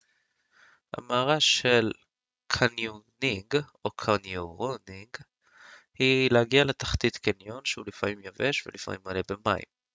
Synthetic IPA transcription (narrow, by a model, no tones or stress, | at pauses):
ha̰maːʁaʃel | kʰanjuniŋɡokʰanjoʁoniŋɡ | hilehaɡialet̪ḁχt̪it̪kenjo̞nʃeulifamimjaveʃvelifa̰mimalebemaḭm